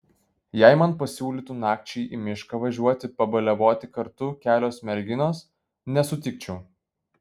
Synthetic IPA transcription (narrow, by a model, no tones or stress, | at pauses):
jɛɪmɐnpɐsʲuːlʲit̪uːnɑːk̚t͡ʃʲɛɪʔimʲɪʃkɐʋɐʒʲuɔt̪ʲɪpɐbɐlʲɛʋoːt̪ʲɪkɐɾt̪ʊkʲæːlʲoːsmʲɛlʲɡʲɪnoːs | nʲɛsʊt̪ʲɪk̚t͡ʃʲɛʊ